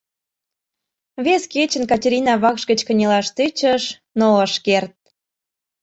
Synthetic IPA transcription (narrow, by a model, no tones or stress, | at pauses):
βesket͡ɕə̆nkɑtʲeɾʲinɑβɑkʃɣət͡ɕkə̆nʲelɑʃt̪et͡ɕəʃ | noəʃkert̪̚